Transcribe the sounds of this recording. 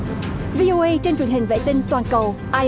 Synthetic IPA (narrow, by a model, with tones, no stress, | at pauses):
vi˧ʔo˧ʔə˧jt͡ɕe˧nt͡ɕwi˨˩ənɦï˨˩ŋ̟vḛ˧˨t̪ï˧ŋt̪waː˨˩nkə˨˩w | ʔaː˧